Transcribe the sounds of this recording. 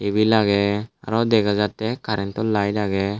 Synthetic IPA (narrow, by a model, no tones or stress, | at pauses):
ebilaɡɛa̰ɾɔdɛɡazatːɛkaɾɛntɔlajlaɡɛ